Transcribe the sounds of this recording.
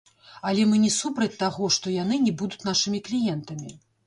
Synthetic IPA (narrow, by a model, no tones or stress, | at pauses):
ɐlʲɛmɨnʲɛsupɾɐt͡sʲt̪ːaɣɔʂt̪ɔjanɨnʲɛbud̪ut͡sʲnaʂɨmʲiklʲijɛnt̪ɐmʲi